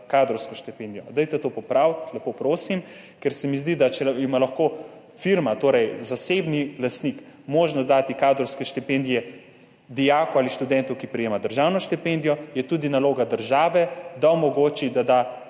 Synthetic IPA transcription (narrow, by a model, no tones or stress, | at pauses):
kad̪ɾɔwskɔʃt̪ipend̪ijɔ̰d̪ajt̪ɛt̪opɔpɾawt̪lɛpopɾoːsim | kɛɾsɛmizd̪id̪at͡ʃɛimalaxkoː | fiɾmat̪oːɾɛjzasebnilast̪nikmoːʒnɔzd̪at̪ikaːd̪ɾɔwskɛʃt̪ipend̪ijɛ | d̪ijaːkɔaːliʃt̪ud̪ɛnt̪ɔkipɾijeːmad̪əɾʒaːwnɔʃt̪ipend̪ijɔjɛt̪uːd̪inaloːɡad̪əɾʒaːʋɛd̪aɔmɔɡoːt͡ʃid̪ad̪a